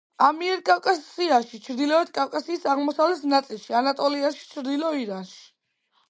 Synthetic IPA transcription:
amiɛɾkʼawkʼasiaʃit͡ʃʰɾd̪ilɔɛt̪̚kʼawkʼasiːsaʁmɔsavlɛt̪ʰnat̪sʼilˠʃianat̪ʼɔliaʃi̥t͡ʃʰɾd̪ilɔiɾanʃi̥

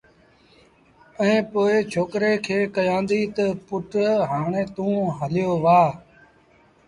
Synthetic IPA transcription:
ẽːpoːet͡ʃʰoːkɾeːkʰeːkəjãːnd̪iːt̪əpʊʈɦaːɳẽːt̪ũːɦəlɪjoːʋaː

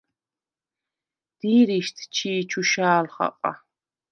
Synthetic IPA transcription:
d̪̥iːɾiʃt̪ʰt͡ʃʰiːt͡ʃʰuʃaːlχa̰qʼa̰

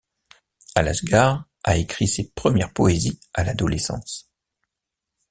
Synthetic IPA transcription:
ala̰sɡaʁ | aekχisepχəmjɛʁpɔezialad̪ɔlesɑ̰̃s

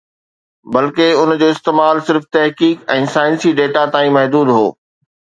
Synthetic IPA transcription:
bɐlkeʊnd͡ʑoːɪst̪eːmaːlsɪɾft̪ɐɦkiːkɛ̃ːsaːɪ̃nsiɖeːʈat̪aːĩmɐɦd̪uːd̪ɦo̰ː

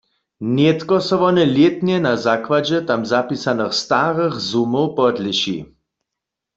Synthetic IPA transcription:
njet̪kɔsɔʋɔnɛljet̪njɛnazakwad͡ʑɛt̪amzapisanəxst̪aʁəxzumowpɔd̪lɪʃḭ

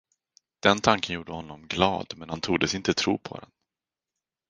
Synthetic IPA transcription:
d̪̥ɛnt̪ʰaŋkənjuːɖəhɔnːɔmɡlɑ̰ːd̪mɛnhant̪ʰuːd̪əsɪnt̪ət̪ʰɾṵːpʰɔ̰d̪ɛ̰n

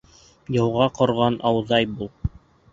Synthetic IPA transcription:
jɤ̆wʁɑqŏɾʁɑnɑwðɑjbulˠ

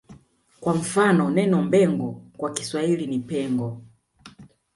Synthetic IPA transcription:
kwam̩fanɔnɛnɔmbɛŋɡɔkwaki̥swailinipɛŋɡɔ

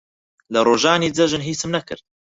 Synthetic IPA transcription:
lɐroːʒaːniːd͡zɐʒɨnɦiːsɨmnɐkɨ̰ɾd̪̚

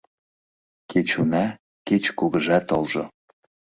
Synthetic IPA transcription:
kʰet͡ɕunɑ | ket͡ɕkuɣəʒɑt̪olʒo̰

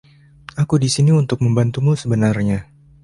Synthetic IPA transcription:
ʔakudisiniunt̪ʊk̚məmbant̪umusəbənarɲa

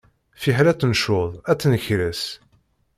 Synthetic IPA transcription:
fiħlæt͡sːnʃʊðˤæt͡sːnəçɾəs

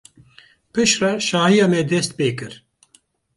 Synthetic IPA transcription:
pɨʃrɛʃɑːhijɑːmɛd̪ɛst̪̚peːkɨɾ

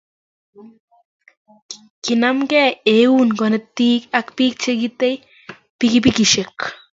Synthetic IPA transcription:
kinamkeeunkonet̪iːkakpiːk̚t͡ʃʰekit̪ej | pikipikiʃek

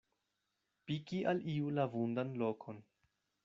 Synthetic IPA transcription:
pikiʔaliulavundanlo̞kʰo̞n

